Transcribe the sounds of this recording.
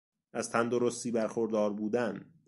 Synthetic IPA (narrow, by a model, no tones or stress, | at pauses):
ʔæz̥t̪ʰænd̪oɾo̞st̪iːbæɾxoɾd̪ɒːɾbuːd̪æn